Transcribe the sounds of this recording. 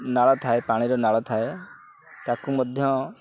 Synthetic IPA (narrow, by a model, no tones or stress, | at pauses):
naɭɔt̪ʰaepaɽ̃iɾɔnaɭɔt̪ʰae | t̪akumɔd̪ʱjɔ